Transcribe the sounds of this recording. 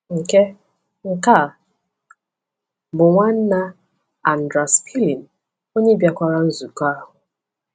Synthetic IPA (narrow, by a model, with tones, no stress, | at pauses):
ŋ̩˨ke˦ | ŋ̩˨ka˦˨ | bʊ˨ŋʷa˦n̩˦na˦ | a˨n̩˨dɾa˨spʰi˦li˨n˨ | o˦ɲe˦bja˨kʷa˦˨ɾa˦n̩˦zu˨ka˦ɦʊ˨